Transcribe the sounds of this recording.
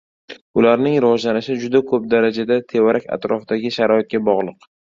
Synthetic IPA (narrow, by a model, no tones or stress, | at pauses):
ʊlaɾnɪŋɾɪvɒd͡ʒlanɪʃɪd͡ʒʊd̪akʰɵp̚d̪aɾad͡ʒad̪at̪ʰe̞vaɾakʲʰa̰t̪ɾɒfɪd̪aɡʲɪʃaɾɒɪt̪̚ɡʲabɒʁlˠɨq